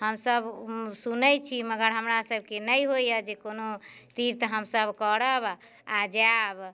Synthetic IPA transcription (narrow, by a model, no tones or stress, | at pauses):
həmsəbsunəjt͡ʃʰiməɡəɾɦəmɾasəb̚ʱkenəjɦojəd͡ʒekonot̪iɾt̪ɦəmsəbʱkəɾəb | ad͡ʒab